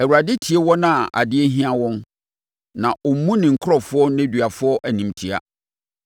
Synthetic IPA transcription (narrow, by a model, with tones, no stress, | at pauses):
ɛ˨wu˨ɾa˨dɪ˦tʰi˨e˦wɔ˦nã˦˨ʔa̰˨dɪ˦e˦ɦĩ˦ã˦wɔ̃˦n | nã˨ʔɔ˨m̩˦mũ˦nɪ̃˨ŋ̩˨kʰɾɔ˦˨fʊ˦ɔ˦nɛ̃˦dɥa˨fʊ˦ɔ˦ʔæ˨nĩ˨mtʰi˨a̰˨